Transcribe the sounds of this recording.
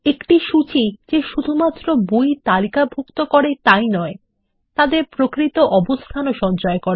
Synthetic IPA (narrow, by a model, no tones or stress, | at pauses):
ekʈiʃut͡ɕid͡ʑeʃud̪ʱumat̪ːɾobujt̪alikabʱukt̪okɔɾet̪ajnɔe | t̪ad̪eɾpɾokɾit̪oʔɔbost̪ʰanoʃɔnt͡ɕɔekɔɾe